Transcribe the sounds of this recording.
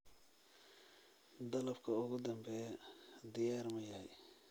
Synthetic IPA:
d̪ɐlɐbkʰɐʊɣʊd̪ɐmbɛːd̪ɪjaːrmɐjɐhɛj

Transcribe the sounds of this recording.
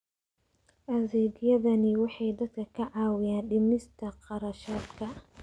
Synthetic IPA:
ʔɐðɛːɡjɐðɐnɪwɑħɑjd̪ɐd̪̚kʰɐkʰɐʕɑːwɪjaːnɖɪmɪst̪ʰɐqɑɾɐʃaːd̪kʰɐ

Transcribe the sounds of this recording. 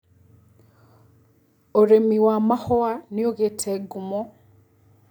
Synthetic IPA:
oɾemiwamahɔanioɣetʰɛɡumɔ

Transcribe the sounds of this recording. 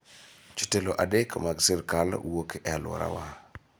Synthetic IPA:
t͡ʃu̥teloʔadekmaɡsirkalwokʔɛalwɔ̰ɾa̰wa

